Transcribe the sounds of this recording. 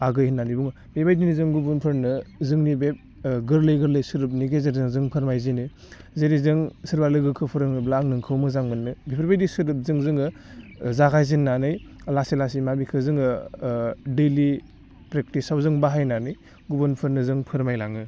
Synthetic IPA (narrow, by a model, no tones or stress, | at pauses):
aɡɯjhinːanibuŋɯ | bebajdinizɯŋɡubunpʰɯɾnɯzɯŋnibep̚ | ɡɯɾlɯjɡɯɾlɯjsɯɾɯp̬̚niɡezeɾzɯŋzɯŋpʰɯɾmajzinɯ | zeɾizɯŋsɯɾbalɯɡɯkʰɯpʰɯɾɯŋnɯblaŋnɯŋkʰɯwmɯzaŋmɯnːɯbipʰɯɾbajdisɯɾɯp̚zɯŋzɯŋɯ | zaɡʰajzinːanɯjlasilasimabikʰɯzɯŋɯ | deli | pɾek̚tisawzɯŋbaɦajnanɯj | ɡubunpʰɯɾnɯzɯŋpʰɯɾmajlaŋɯ